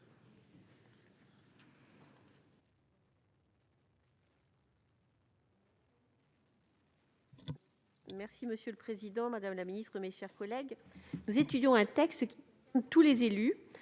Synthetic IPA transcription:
mɛʁsiməsjøləpχezid̪ɑ̃mad̪amlaminist̪χəmeʃɛʁkɔlɛɡ | nuzet̪yd̪jɔ̃ɛ̃t̪ɛkst̪əkʲ | mt̪ulezely

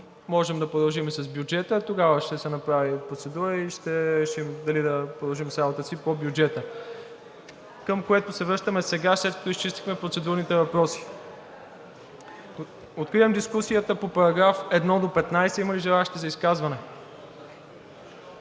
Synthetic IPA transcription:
mɔʒɛmd̪ɐpɾod̪ɐlˠʒimsɐzbʲjud͡ʒɛt̪ət̪oɡavəʃt̪ɛsɛnɐpɾavipɾot̪sɛd̪uɾəiʃt̪ɛɾɛʃimd̪ɐlid̪ɐpɾod̪ɐlˠʒimsɾabot̪əsipobjud͡ʒɛt̪ə | kəmkoɛt̪ʊsɛvɾəʃt̪əmɛsɛɡaslɛt̪kɐ̥t̪oist͡ʃist̪i̥xmɛpɾot̪sɛd̪uɾnit̪ɛvɐpɾɔsi̥ | ot̪̚kɾivɐmd̪iskusijət̪əpopɐɾɐɡɾafɛd̪nɔd̪opɛt̪najsɛimɐliʒɛlˠaʃit̪ɛzɐiskazvɐnɛ

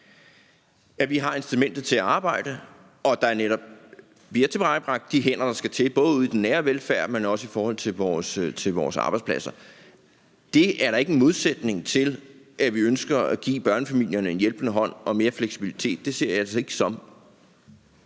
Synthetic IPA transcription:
jæʋiɦɑ̈e̝nsd̥umen̰d̥ð̩ˠt͡sʰe̝æɑ̈ːb̥ɑ̈ɪ̰ɾ̥ə | ɒ̽d̥ɑ̈æɐneɾɒ̽b̥̚ | ʋiɐt͡sʰe̝b̥ʁɑ̈ɪb̥ʁɑ̈ɡ̥̚d̥ːiɦen̰ɐd̥ɑ̈sɡ̥æt͡sʰe̝lb̥ɔ̽ːðˠuːðˠid̥enːæːɐʋelfæɐ̰̥menɒ̽səifɒːhɒ̽l̰t͡sʰe̝lʋɒːst͡sʰe̝lʋɒ̰ːsɑ̈ːb̥ɑ̈ɪspʰlæsɐ | d̥e̝æɐɾɑ̈e̝ɡ̥enmo̝ð̞ˠsed̥ne̝ŋt͡sʰe̝lʔæʋiønsɡ̥ɐæɡ̥ḭːb̥ɶɐnəfæmil̰jɐnəe̝njelb̥ənəɦɒ̽n̰ʔɒ̽me̝ːɐfleɡ̥sib̥ilit͡sʰe̝̰ːd̥̚ːe̝se̝ɐ̰jɑ̥̈se̝ɡ̥sɒ̽m

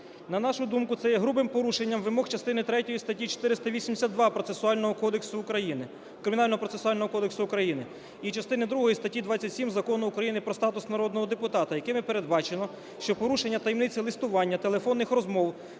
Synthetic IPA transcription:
nɐnɑʃʊd̪umkʊt̪sɛjɛɦɾubɪmpɔɾuʃenʲːɐmʋɪmɔxt͡ʃɐst̪ɪnɪt̪ɾɛtʲɔjist̪ɐtʲːit͡ʃo̥t̪ɪɾɪst̪ɐʋʲisʲimd̪esʲad̪d̪ʋɑpɾɔt̪sesʊɑlʲnɔɦɔkɔd̪eksʊːkɾɐjinɪ | kɾɪmʲinɑlʲnɔɦɔpɾɔtsesʊɑlʲnɔɦɔkɔd̪eksʊʊkɾɐjinɪ | it͡ʃɐst̪ɪnɪd̪ɾuɦɔjist̪ɐtʲid̪ʋɑt͡sʲːɐtʲsʲimzɐkɔnʊːkɾɐjinɪpɾɔst̪ɑt̪ʊsnɐɾɔd̪nɔɦɔd̪epʊt̪ɑt̪ɐjɐkɪmɪpeɾed̪bɑt͡ʃelˠɔ | ʃt͡ʃɔpɔɾuʃenʲːɐt̪ɐjimnɪt͡sʲɐlˠɪst̪ʊʋɑnʲːɐt̪elˠefɔnːɪxrɔzmɔw

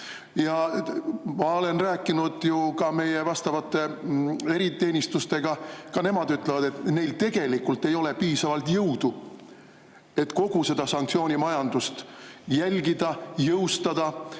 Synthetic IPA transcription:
jɑ | mɑo̞le̞nræːkːˑinud̪̥jukɑme̞jevɑst̪ɑvɑt̪ːˑe̞e̞ɾit̪e̞ːnʲist̪ust̪e̞ɡ̥ɑkɑne̞mɑd̪yt̪ˑlevɑd̪̥e̞t̪ne̞jlt̪e̞ɡ̥e̞likult̪ːˑe̞jo̞le̞piːsɑvɑlt̪jɤwd̪̥u | e̞t̪ːko̞ɡ̥use̞d̪̥ɑsɑŋkt̪sio̞ːnʲimɑjɑnd̪̥ust̪jælʲɡid̪̥ɑjɤwst̪ɑd̪̥ɑ

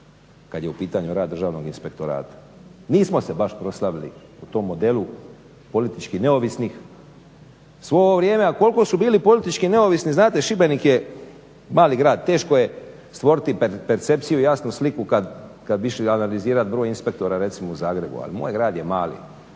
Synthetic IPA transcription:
kad̪jeupiːt̪aɲuɾaːd̪ːr̩ʒaːʋno̞ɡinspe̞k̚t̪oɾa̰ːt̪ḁniːsmo̞sebaʃpɾo̞slˠaʋilḭut̪o̞mːo̞d̪elu | po̞lit̪it͡ʃkine̞o̞ʋisnix | sʋo̞oʋɾʲjeːmeako̞lko̞subiːlipo̞lit̪it͡ʃkine̞oʋisniznaːt̪e̞ʃibenikje | maːliɡɾaːd̪̚t̪e̞ːʃkoje | st̪ʋo̞ɾit̪ippeɾt̪se̞p̪̚sijuijaːsnuslikukad̪kad̪biʃianaliziːɾat̪̚bɾo̞ːjinspe̞k̚t̪o̞ɾaɾe̞t̪simouzaːɡɾe̞bṵa̰limo̰ːjɡɾaːd̪jemaːlḭ

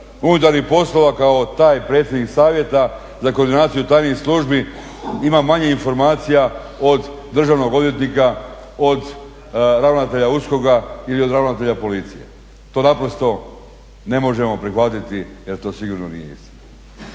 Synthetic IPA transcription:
unut̪̬aɾnihpo̞slˠo̞ʋakao̞t̪aːjpɾet̪sʲjed̪niksaːʋje̞t̪a | zakoɾd̪inaːt̪sijut̪aːjnosluʒbi | imamaɲeinfo̞ɾmaːt̪sija | o̞d̪ | d̪r̩ʒaʋno̞ɡo̞d̪ʋje̞t̪nika | od̪ | ɾaʋnat̪e̞ʎausko̞ɡailio̞d̪ɾaʋnat̪eʎapo̞lit̪sije̞̰ | t̪o̞ːnapɾo̞st̪o̞ | ne̞mo̞ʒe̞mo̞pɾixʋat̪it̪ije̞ɾt̪o̞ːsiɡuɾnonḭjeḭst̪ina

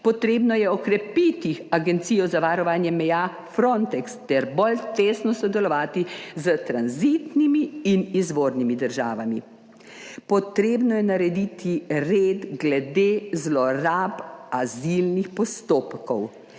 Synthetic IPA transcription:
pɔt̪ɾeːbnɔjɛɔkɾɛpit̪iaɡɛnt̪sijɔzaʋaɾɔʋaːnjɛmɛja | fɾɔnt̪ɛkst̪ɛɾbolt̪eːsnɔsɔd̪ɛlɔʋaːt̪izət̪ɾanzit̪nimiːnizʋoːɾnimid̪əɾʒa̰ːʋami | pɔt̪ɾeːbnɔjɛnaɾɛd̪iːt̪ʰiɾeːd̪ɡlɛd̪eːzlɔɾaːpazilnixpɔst̪oːpkɔw

